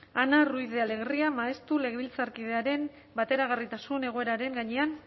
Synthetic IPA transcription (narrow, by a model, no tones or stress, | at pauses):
anarujðe̞ale̞ɣ̞riamaest̪ule̞ɣeβilt͡saɾkið̞e̞aɾe̞m | bat̪e̞ɾaɣ̞arit̪asune̞ɣ̞o̞e̞ɾaɾe̞ŋɡaɲe̞an